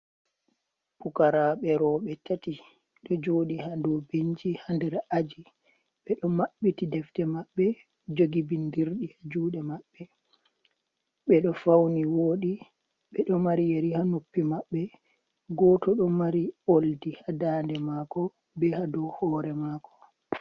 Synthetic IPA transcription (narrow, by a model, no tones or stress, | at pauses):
pukaɾaɓɛɾɔɓɛtati | ɗɔd͡ʒoːɗihandɔbiɲd͡ʒihandɛɾad͡ʒi | ɓɛɗɔmaɓːitidɛftɛmaɓːɛ | d͡ʒoɡibindiɾɗihad͡ʒuːɗɛmaɓːɛ | ɓɛɗɔfawniwoːɗi | ɓɛɗɔmaɾijeɾihanopːimaɓːɛ | ɡɔtɔɗɔmaɾioldihadaːndɛmaːkɔ | bɛhadɔhɔːɾɛmakɔ̥